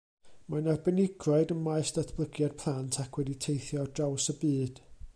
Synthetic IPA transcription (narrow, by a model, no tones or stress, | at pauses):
manarbənɪɡrɔɨdəmajsd̥atʰb̥lˠəɡjad̚pʰlˠantʰakʰwɛditʰejθjɔrd̥rawsəbɨːd̥